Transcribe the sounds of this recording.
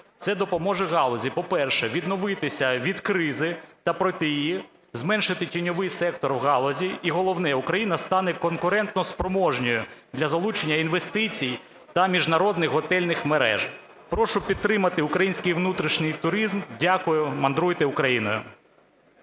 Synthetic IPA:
t̪sɛd̪ɔpɔmɔʒɛɣɑlˠɔzʲipɔpɛrʃɛʋʲid̪nɔʋɪt̪ɪsʲɐʋʲid̪kɾɪzɪt̪ɐpɾɔt̪ɪjji | zmɛnʃɪt̪ɪtʲinʲɔʋɪjsɛkt̪ɔrwɣɑlˠɔzʲiiɦɔlˠɔwnɛukɾɐjinɐst̪ɑnɛkɔnkʊɾɛnt̪nɔspɾɔmɔʒnʲɔjʊd̪lʲɐzɐlˠut͡ʃenʲːɐinʋest̪ɪt͡sʲij | t̪ɐmʲiʒnɐɾɔd̪nɪxɦɔt̪ɛlʲnɪxmeɾɛ̰ʒ | pɾɔʃʊpʲid̪̚t̪ːɾɪmɐt̪ɪʊkɾɐjinʲsʲkɪjʋnut̪ɾʲiʃnɪjt̪ʊɾizmdʲakʊjʊmɐnd̪ɾujt̪ɪʊkɾɐjinɔ̰jʊ̰

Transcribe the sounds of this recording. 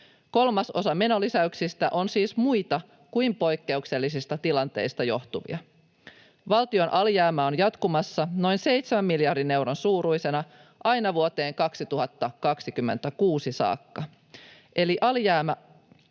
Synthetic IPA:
ko̞lmɑso̞̰sɑme̞no̞lisæyksist̪æʔo̞nsiːsmujt̪ɑ | kuimpo̞jkːe̞ukse̞lːisist̪ɑt̪ilɑnt̪e̞̰ist̪ɑjo̞ht̪uʋḭɑ | ʋɑlt̪io̞nʔɑljæːmæonjɑt̪kumɑsːɑno̞jnse̞jt̪semæmːiljɑrdine̞wɾonsuːɾujse̞nɑ | ʔɑjnɑʋuot̪e̞ːŋkɑksit̪uɦɑt̪ːɑkɑksikymːent̪ækuːsisɑ̰ːkːɑ | ʔe̞liʔɑljæːmæ

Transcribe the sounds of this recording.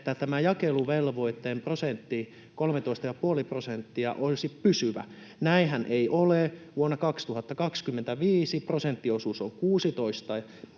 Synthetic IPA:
t̪ːæt̪æmæjɑkeluʋelʋoit̪ːeːmprosent̪ːi | kolmet̪oist̪ɑjɑpuoliprosent̪ːiɑ̰ʔolʲsippysyʋæ̰ | næihænʔeiʔoleʋuonːɑkɑkst̪uhɑt̪ːɑkɑkskymːent̪æʋiːsiprosent̪ːiosusoŋkuːsit̪oist̪ɑ

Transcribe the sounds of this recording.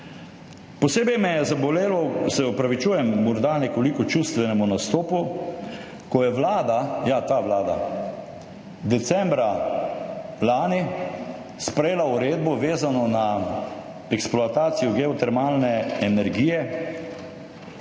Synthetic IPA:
pɔseːbɛjmɛjɛzabɔleːlɔsɛɔpɾaʋit͡ʃuːjɛmːɔɾd̪anɛkɔlikɔt͡ʃust̪ʋɛnɛmunast̪oːpu | kɔjɛʋlaːd̪ajat̪aːʋlaːd̪a̰ | d̪ɛt̪sɛmbɾa | laːni | spɾɛjeːlauɾeːd̪bɔʋeːzanɔna | ɛksploat̪aːt̪sijɔɡɛɔt̪ɛɾmaːlnɛɛnɛɾɡiːjɛ

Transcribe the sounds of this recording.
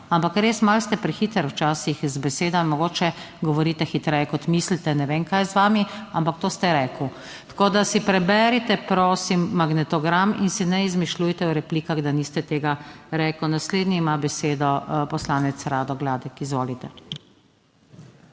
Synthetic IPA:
ampakɾeːsmalst̪ɛpɾixit̪əɾwt͡ʃaːsixzbɛseːd̪ɔmɔɡoːt͡ʃɛ | ɡɔʋɔɾiːt̪ɛxit̪ɾɛːjɛkɔt̪mislit̪ɛnɛʋeːnkajzʋaːmiampak̚t̪oːst̪ɛɾɛːkw | t̪ḁkoːd̪asipɾɛbɛɾit̪ɛpɾoːsimːaɡnɛt̪ɔɡɾaminsinɛizmiʃlujt̪ɛwɾɛpliːkaɣd̪aniːst̪ɛt̪eːɡaɾɛkwnasleːd̪niimabɛseːd̪ɔpɔslaːnɛt̪sɾaːd̪ɔɡlaːd̪ɛkizʋoːlit̪ɛ

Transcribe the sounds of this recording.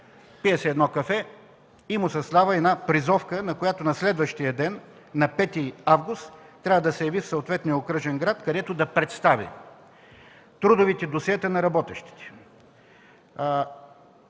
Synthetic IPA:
piɛsɛːd̪nɔkɐfɛ | imʊsɐzd̪avəɛd̪napɾizɔfkənɐkojat̪onɐslɛd̪vəʃt̪ijəd̪ɛnː | ɐpɛt̪iavɡʊst̪ːɾʲavəd̪ɐsɛjɐvifsooːt̪vɛt̪nijəokɾɤʒɛnɡɾat̪kɐd̪ɛt̪ʊd̪ɐpɾɛt̪st̪avḭ | t̪ɾud̪ʊvit̪ɛd̪osiɛt̪ənɐɾɐbɔt̪ɛʃt̪i̥t̪ɛ̥

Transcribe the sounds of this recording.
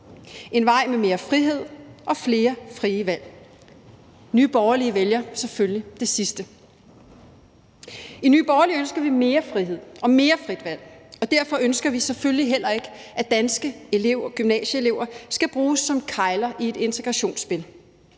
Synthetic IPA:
e̝nʋɑ̈ɪ̰meme̝ːɐfʁiɦe̝ð̰ˠʔɒ̽fle̝ːɐfʁiːəʋæl̰ | nyːb̥ɒʊɐliəʋeljɐseføllid̥e̝sisd̥ə | inyːb̥ɒːɐliønsɡ̥ɐʋime̝ːɐfʁiɦe̝ð̰ˠɒ̽me̝ːɐfʁid̥ʋæl̰ɒ̽d̥æɐ̰fɒ̽ønsɡ̥ɐʋisefølliɦel̰ɐe̝ɡ̥əæd̥ænsɡ̥əe̝le̝ʊ̰ɐɡ̥ymnɛ̰ːɕəe̝le̝ʊ̰ɐsɡ̥æb̥ʁuːsːɒ̽mkʰɑ̈ɪlɐʔie̝d̥e̝nt͡sʰe̝ɡ̥ʁɑ̈ɕo̝̰ːnsːb̥e̝l

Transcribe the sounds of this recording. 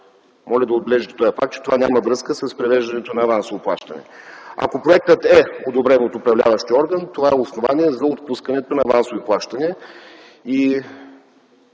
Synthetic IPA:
mɔlʲɛd̪ɐod̪̚bɛlɛʒət̪t̪ɔjɐfak̚t̪̚t͡ʃɛ̥t̪ovanʲamɐvɾɤskəsɐspɾɛvɛʒd̪ɐnɛt̪onɐːvansovoplˠa̰ʃt̪ɐnɛ̰ɐ̰kopɾoɛk̚t̪ət̪ɛod̪obɾɛnot̪ʊpɾɐvlʲa̰vəʃt̪iɔɾɡənt̪ovaɛosnovaniɛzɐot̪̚puskənɛt̪onɐːvansoviplˠaʃt̪ənɛ | i

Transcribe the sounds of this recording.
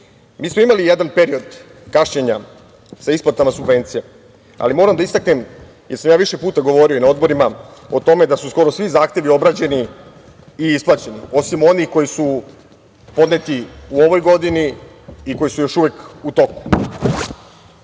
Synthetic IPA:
miːsmoimalijed̪anpe̞ɾio̞d̪ | kaʃɲeɲa | saisplat̪amasubʋe̞nt̪sije | a̰limo̞ːɾamd̪aist̪aknem | je̞ɾsamjaːʋiʃe̞puːt̪aɡo̞ʋo̞ɾioinao̞d̪bo̞ɾimao̞t̪o̞me̞d̪asusko̞ɾosʋizaːxt̪je̞ʋio̞bɾat͡ɕe̞ni | iisplˠaːt͡ɕe̞nio̞simo̞nixko̞jisu | po̞d̪ne̞t̪iuo̞ʋo̞jɡo̞d̪iniː | ko̞jisujo̞ʃuʋe̞kut̪o̞ku̥

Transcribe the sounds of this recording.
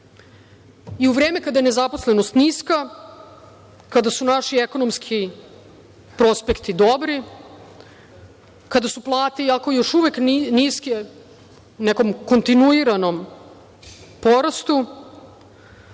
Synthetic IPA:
iuʋɾeːme̞kad̪ajene̞zapo̞sleno̞st̪niska | kad̪asunaʃieko̞nomskʰi | pɾo̞spekt̪id̪o̞bɾi | kad̪asuplˠaːt̪iako̞jo̞ʃuʋekniske | uneko̞mko̞nt̪inuiɾano̞m | po̞ɾast̪u

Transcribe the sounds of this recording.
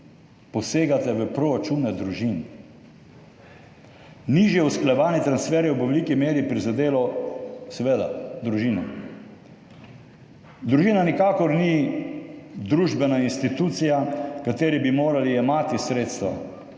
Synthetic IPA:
pɔseːɡat̪ɛʋəpɾɔɾat͡ʃunɛd̪ɾuʒin | niʒjɛusklajɛʋaːnit̪ɾansfɛːɾjɛwbʋɛlikimeːɾipɾizad̪eːlɔsɛʋed̪a̰d̪ɾuʒinɛ | d̪ɾuʒiːnanikaːkɔɾni | d̪ɾuːʒbɛnainst̪it̪uːt̪sijakat̪eːɾiɛbimoːɾaliɛmaːt̪isɾeːt̪st̪ʋa̰

